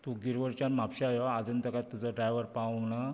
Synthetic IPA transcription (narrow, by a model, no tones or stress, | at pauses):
t̪uɡiɾʋəɾt͡ɕanmapɕaajɔad͡zənt̪əkaɾt̪ud͡zɔɖɾajʋəɾpawna